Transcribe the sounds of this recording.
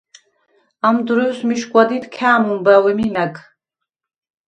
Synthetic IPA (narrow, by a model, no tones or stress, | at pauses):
amd̪ɾɔsmiʃkʼwad̪it̪ʰkʰaːmumbawɛmimækʰʼ